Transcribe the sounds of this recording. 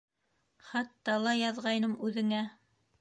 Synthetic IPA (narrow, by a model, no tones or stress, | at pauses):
χɑt̪ːɑlˠɑjɑðʁɑjnɤmʉðɘ̆ŋæ